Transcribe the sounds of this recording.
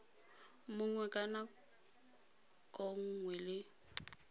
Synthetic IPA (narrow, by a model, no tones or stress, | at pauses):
mʊŋwɛkʼana | kʼoŋ̩ŋwɛlɪ